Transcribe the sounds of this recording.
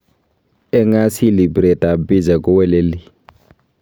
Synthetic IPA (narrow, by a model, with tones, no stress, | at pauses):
ɛ˦ŋa˦si˦li˨bɾɛ˨ta˨bi˦d͡ʒa˨kʼʊ˦wɛ˦le˦li˦˨